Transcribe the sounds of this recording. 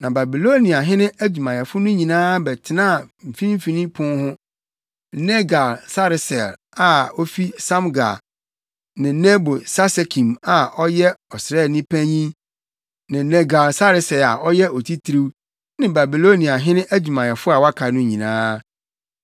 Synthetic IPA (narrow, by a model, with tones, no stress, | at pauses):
nã˨ba˨bi˨lo˦nĩ˨a˨ɦɪ̃˦nɪ̃˦æ˦d͡ʑu˨mã˨jɛ˨fʊ˦nʊ̃˦ɲĩ˨nãː˦bɛ˨tʰɪ˨nãː˦˨m̩˨fĩ˦m˦fi˨nĩ˦pʰʊ̃˦n˦hʊ̃˦ | nɛ˦ɡa˨lsa˦ɾɪ˨sɛ˨l | a˨ɔ˦fi˦sã˦mɡa̰˨ | nɪ̃˨˦nɛ˦bo˨sa˦se˨kʰĩ˨ma˨ʔɔ˦jɛ˦ɔ˨sɾɛ˦˨nĩ˦pʰæ˦ɲĩ˦ | nɪ̃˨nɛ˦ɡa˨lsa˦ɾɪ˦sɛ˨la̰˨ʔɔ˦jɛ˦ɔ˨tʰi˦tʰɾi˦w | nɪ̃˨ba˨bi˨lo˦nĩ˨a˨ɦɪ̃˦nɪ̃˦ʔæ˦d͡ʑu˨mã˨jɛ˨fʊ˦a˨wa˦kʰa˨nʊ̃˦ɲĩ˨nã̰ː˦